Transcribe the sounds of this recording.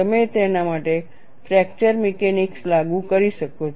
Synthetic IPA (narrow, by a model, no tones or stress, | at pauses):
əmet̪enamaʈe | fɾɛk̚t͡ʃəɾmekenikslaɡũkəɾiʃəko